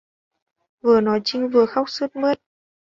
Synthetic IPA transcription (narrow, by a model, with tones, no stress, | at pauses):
vɨ˨˩ənɔ˨˦jt͡ɕï˧˦ŋ̟vɨ˨˩əxa˦˥wk͡p̚sɨ˦˥t̚mɨ˦˥t̚